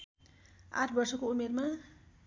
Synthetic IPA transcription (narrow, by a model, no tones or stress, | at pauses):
a̰ʈʰbʌrsʌkoumerma